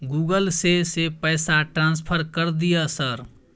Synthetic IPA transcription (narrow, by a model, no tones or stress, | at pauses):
ɡuːɡəlsesepɛɪsaʈɾãːns̬pʰəɾkəɾd̪ijasəɾ